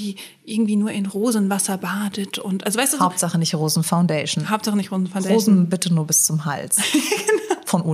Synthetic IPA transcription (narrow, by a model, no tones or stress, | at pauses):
iː | ʔɪɐɡŋ̩tv̥iːnuːɐʔɪnʁoːzn̩vasɐbaːdətʊntʔalzovaɪsd̥uːaʊptz̥aχənɪçtʁoːzn̩faʊndɛɪʃn̩haʊp̚tz̥aχənɪçtʁoːzn̩faʊndʁoːzn̩bɪtənuːɐbɪst͡sʊmɦa̰lt͡sɡ̥ənfɔnʔu